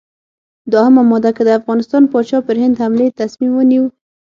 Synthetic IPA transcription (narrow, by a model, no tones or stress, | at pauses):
d̪ohamamɔd̪akəd̪əafɣɑnɪst̪ɑnpɑt͡ʃɑpəɾɦɪnd̪hamlet̪asmimwəniw